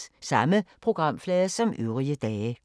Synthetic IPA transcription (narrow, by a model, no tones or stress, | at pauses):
sɑməpʰʁoɡ̥ʁɑmflɛːðəsɒ̽mʔy̰ːʁiəd̥̪ɛːə